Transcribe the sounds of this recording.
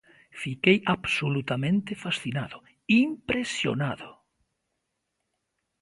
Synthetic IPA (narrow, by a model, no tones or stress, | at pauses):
fikejabsolut̪amẽnt̪efasθinaðʊ | impɾesjo̰naðʊ